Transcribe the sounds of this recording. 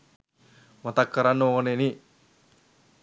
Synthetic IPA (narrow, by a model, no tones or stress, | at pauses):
mɐt̪ɐkːɐɾɐnːooneni